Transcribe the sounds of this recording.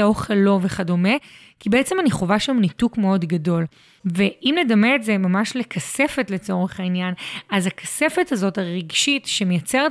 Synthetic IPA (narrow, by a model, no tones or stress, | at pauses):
oχelo̞ve̞χado̞me̞ | kibeet͡se̞maniχo̞vaʃamnitukme̞o̞dɡado̞l | veʔimle̞dameːtze̞mamaʃlekʰase̞fetle̞t͡so̞ʁeχainjanazhakḁse̞fethazo̞taʁiɡʃitʃemejat͡se̞ʁ